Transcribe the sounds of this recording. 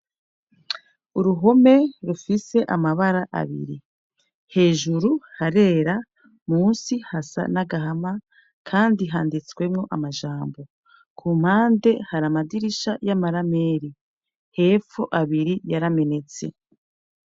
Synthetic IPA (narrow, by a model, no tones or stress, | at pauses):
uɾuɦo̞me̞ɾufise̞ʔamaβaɾaʔa̰βḭɾi | he̞ːʒuɾuhaɾe̞ːɾa | muːnsihasa̰naɡaɦama | kʰaːndiɦaːndit͡swe̞mŋo̞ʔamaʒaːmbo̞ | kʰum̥haːnde̞haɾamadiɾiʃajamaɾame̞ːɾi | he̞ːfoʔaβiɾijaɾame̞ne̞t͡se̞